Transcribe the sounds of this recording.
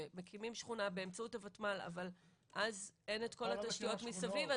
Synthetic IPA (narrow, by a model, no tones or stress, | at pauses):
mekʰimimʃχunabe̞ːmt͡sautavatmala̰val | ʔaze̞ne̞tko̞lat̪aʃt̪ijo̞tmisaviva